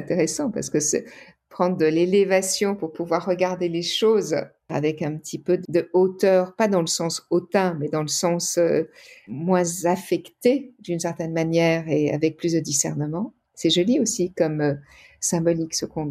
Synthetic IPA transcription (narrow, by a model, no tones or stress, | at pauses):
ɛ̃t̪eʁesɑ̃pa̰ʁsə̥kəsɛ̰ | pχɑ̃d̪ʁd̪əlelevasjɔ̃puʁpuvwaʁːəɡaʁd̪eleʃoz | a̰vɛkɛ̃pət̪ʰipød̪əot̪œːʁpad̪ɑ̃ləsɑ̃sot̪ɛ̃mɛd̪ɑ̃ləsɑ̃sø | mwɛ̃zafɛkt̪ed̪ynsɛʁt̪ɛnmanjɛʁea̰vɛk̚plysd̪əd̪isɛ̰ʁnəmɑ̃ | sɛʒɔliosikɔmø | sɛ̃bɔliksəkɔ̃